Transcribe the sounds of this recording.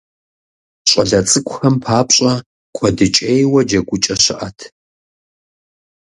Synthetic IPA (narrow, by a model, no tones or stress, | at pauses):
ɕʼɐɮɐt͡sʼɨkʷʰʼʊxɐmpʰaːpɕʼɐ | kʷʰɔdɨt͡ʃʼejwɐd͡ʒɐɡʷʼʊt͡ʃʼɐɕɪʔɐtʰ